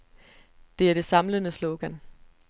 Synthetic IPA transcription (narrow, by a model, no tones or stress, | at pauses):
d̥e̝æɐ̥e̝sɑ̈mlənəsloʊɡ̥æn